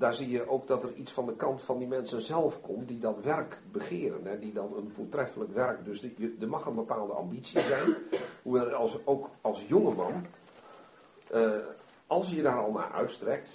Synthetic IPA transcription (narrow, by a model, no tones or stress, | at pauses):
daːɹzijəʔowk̚dɔtərisfɔndəkɑntfɔndimɛnsənzɛlˠfkʰomtdidɔtʋɛrkbəχɪəɾənɛdidɔnənfoːtrɛfələkʋɛrkdøsjədəmɑxənbəpaːlˠdəʔɑ̰mbit͡sizɛjnhuʋɛlˠsoːkɑlˠsjoŋəmɑn | ə | ɑlˠsjədaːɾɔlˠna̰ːʔœ̰ɥtstrɛk̚t